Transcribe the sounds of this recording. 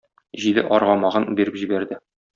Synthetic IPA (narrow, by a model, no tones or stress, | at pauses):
ʑilɘ̰ʔɒɾʁɑmɑʁɤnbiɾɘpʑibæɾd̪ɘ